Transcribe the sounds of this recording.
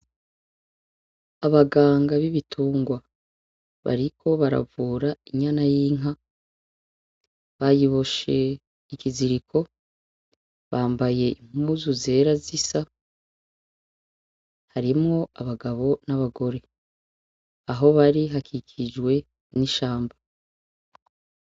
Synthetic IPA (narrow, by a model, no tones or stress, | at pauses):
aβaɡaːŋɡaβiβitʰuːŋɡwa | βa̰ɾikʰo̞βaɾa̰vuːɾaiɲanajiːŋa | βajiβo̞ʃe̞ | ikiziɾikʰo̞ | βaːmbaje̞im̥umuzuze̞ːɾazisa | haɾimŋo̞aβaɡaβo̞naβaɡo̞ɾe̞ | aɦo̞βaɾiɦakʰikʰid͡ʒɡwe̞ | niʃaːmba